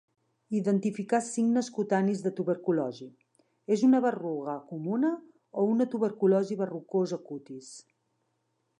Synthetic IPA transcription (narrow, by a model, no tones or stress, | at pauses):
iðənt̪ifikasiŋnəskut̪anizðət̪uβəɾkulɔʒi | ezunəβəruɣəkumunə | ounət̪uβəɾkulɔʒiβərukozəkut̪is